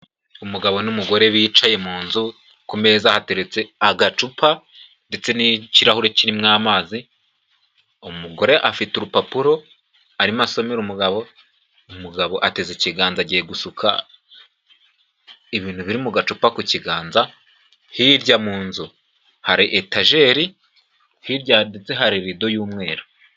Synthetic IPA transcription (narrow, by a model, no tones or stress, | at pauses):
umuɡaβo̞numuɡo̞ɾe̞βiːt͡ʃaje̞muːnzu | kume̞ːzahate̞ɾet͡se̞aɡat͡ʃupʰa | nde̞t͡se̞niciɾahuɾeciɾimŋaːmaːzi | umuɡo̞ɾe̞ʔafituɾupapuɾo̞ | aɾimaso̞meɾumuɡaβo̞ | umuɡaβo̞ʔate̞ziciɡaːnzaɟijeɡusukʰa̰ | iβiːn̥huβiɾimuɡat͡ʃupakuciɡaːnza | hiɾɟamuːnzu | haɾiʔetaʒe̞ːɾi | hiɾɟadet͡se̞ɦaɾiɾido̞juːmŋe̞ːɾo